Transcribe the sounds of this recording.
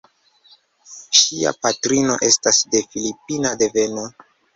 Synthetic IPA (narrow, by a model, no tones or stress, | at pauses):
ʃia̰patɾino̞̰ʔe̞stasde̞filipinade̞ve̞no̞